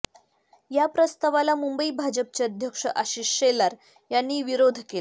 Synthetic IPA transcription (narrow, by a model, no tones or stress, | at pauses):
japɾəst̪aʋalamumbəibʱad͡ʑəp̚t͡ɕeəd̪ʱjəkʂəʔaɕiʂelaɾ | janːiːʋiɾod̪ʱkel